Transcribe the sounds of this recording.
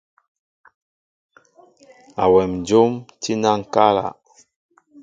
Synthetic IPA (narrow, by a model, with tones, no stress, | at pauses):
a˨wɛ˨md͡ʒo˦mti˦na˦ŋ˨ka˦la̰˨